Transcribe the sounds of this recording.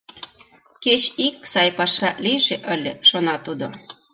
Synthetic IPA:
ket͡ɕiksɑjpɑʃɑlijʒeʔəlʲeʃonɑt̪ud̪o

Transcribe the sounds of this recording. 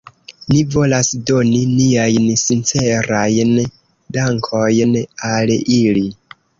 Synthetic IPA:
nivo̞lasdo̞niniajnsint͡se̞ɾajn | daŋkʰo̞jnalili

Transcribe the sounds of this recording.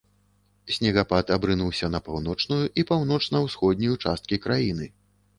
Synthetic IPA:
sʲnʲɛɣapat̪abɾɨnuwsʲɐnɐpawnɔt͡ʂnujuʔipawnɔt͡ʂnɐwsxɔd̪̚ʲnʲijut͡ʂast̪̚kʲikɾajinɨ

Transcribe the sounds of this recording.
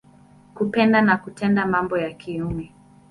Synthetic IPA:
kupɛndanakutʰɛndamambɔjakʰiumɛ

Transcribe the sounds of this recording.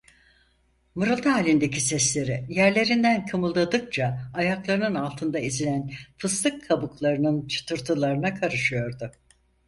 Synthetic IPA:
mɯɾɯlˠd̪aalʲind̪ecʰisɛslʲe̞ɾijæɾlʲe̞ɾind̪ænkʰamulˠd̪ad̪ɯk̚t͡ʃʰaːjaklˠaɾɯnɯnalˠt̪ʰɯnd̪aizinʲænfʰɯst̪ɯkʰːabuklˠaɾɯnɯnt͡ʃʰɯ̥t̪ʰɯɾt̪ʰɯlˠaɾɯnakʰaɾɯʃɯjo̞ɾd̪ʊ

